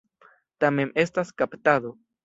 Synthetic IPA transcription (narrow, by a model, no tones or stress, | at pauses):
t̪amenest̪askapt̪aðo